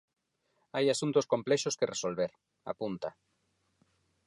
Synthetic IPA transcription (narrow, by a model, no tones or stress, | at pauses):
ajasunt̪oskomplɛʃoskeresolβeɾ | a̰punt̪a